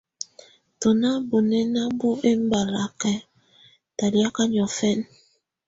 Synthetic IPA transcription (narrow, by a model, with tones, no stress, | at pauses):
to˨na˦bo˨nɛ˦na˦bu˦ʔe˦m̩˦ba˨la˨kɛ˦ | ta˨di˨˦a˦ka˦ɲ˨ɔ˨fɛ˦˨n